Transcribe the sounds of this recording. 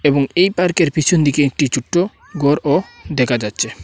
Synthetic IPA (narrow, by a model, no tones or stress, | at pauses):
eboŋejpaɾkeɾpit͡ɕʰond̪ikeek̚ʈit͡ɕʰuʈːo | ɡoɾod̪ɛkʰad͡ʑatːɕʰe